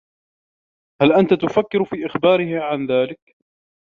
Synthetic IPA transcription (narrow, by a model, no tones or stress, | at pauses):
halʔant̪at̪ʊfakːɪɾfiːʔɪxbɑːɾɪhɪʕanðaːlɪk